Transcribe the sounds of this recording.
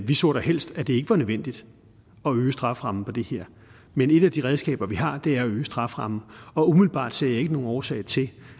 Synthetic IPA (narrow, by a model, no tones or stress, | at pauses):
ʋisɔ̰ːɾ̥ɑhel̰sd̥æd̥e̝e̝ɡ̥əʋɑ̈nøðˠʋen̰d̥id̥ | ɒ̽øːsd̥ʁɑ̈fʁɑ̈m̩pʰɒ̽d̥e̝he̝ɐ̰ | mene̝d̥æd̥iʁɛð̞ˠsɡ̥ɛ̰ːb̥ɐʋihɑ̈d̥e̝æɐɒøːəsd̥ʁɑ̈fʁɑ̈m̩ɒ̽umiðl̩b̥ɑ̰̈ːd̥sḛjɑ̈e̝ɡ̥əno̝ːɒːsɛ̰ːɪt͡sʰe̝l